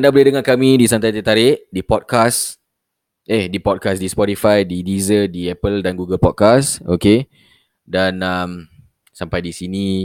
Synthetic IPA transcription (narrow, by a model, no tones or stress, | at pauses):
ndabolehdəŋakamĩdisant̪ajt̪et̪aɾɪʔdipɔd̚kas | ehdipɔd̚kasdispɔtifajdidizədiɛpəldanɡuɡəlpɔd̚kasoke | danam | sampajdisini